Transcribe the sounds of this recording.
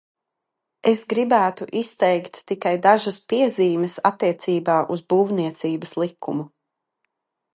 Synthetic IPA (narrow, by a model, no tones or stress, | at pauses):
esɡɾibæːt̪uʔist̪ɛjkt̪ːikajd̪aʒaspiɛziːmɛsat̪ːiɛt̪siːbaːʔuzbuːvniɛt̪siːbəslˠikʰːumu